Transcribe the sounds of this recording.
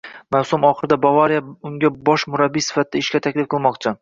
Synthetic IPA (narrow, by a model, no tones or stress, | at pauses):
mawsʊmɒχɨɾɪd̪abavaɾijaʊŋɡʲabɒʃmʊɾabːijsɪ̥fat̪̚ʰɪd̪aɪʃkʲat̪ʰakʲlɪfqʰɨlˠmɒqt͡ʃʰɪ